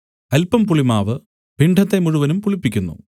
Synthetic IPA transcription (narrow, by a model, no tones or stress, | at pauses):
ɐlpːɐmpuɭimaːʋɨ | piɳɖʱɐt̪ːe̞muɻuʋɐnumpuɭipːikʲːunːṵ